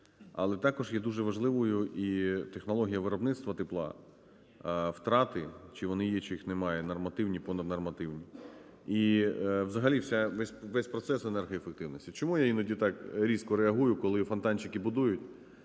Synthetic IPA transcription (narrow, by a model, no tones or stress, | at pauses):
ɐ̰lˠɛt̪ɑkɔʒjɛd̪uʒɛʋɐʒlˠɪʋʊjʊʔit̪exnɔlˠɔɦʲijɐʋɪɾɔbnɪt̪st̪ʋɐt̪ɪplˠɑ̰ | wt̪ɾɑt̪ɪt͡ʃiʋɔnɪjɛt͡ʃijixnemɑjɛnɐrmɐt̪ɪwnʲipɔnɐd̪nɐrmɐt̪ɪwnʲi | iʋzɐɦɐlʲiwsʲaʋɛsʲʋɛsʲpɾɔt̪sɛsenɛrɦɐjefek̚t̪ɪwnɔsʲtʲit͡ʃɔmujainɐdʲit̪ɑkɾʲiskɔɾeɐɦujʊkɔlˠɪfɐnt̪ɑnʲt͡ʃɪkɪbʊd̪ujʊtʲ